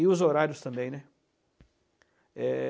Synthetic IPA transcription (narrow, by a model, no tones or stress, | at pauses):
iʊzoɾaɾjʊst̪ɐ̃mbẽj̃nɛ | ɛ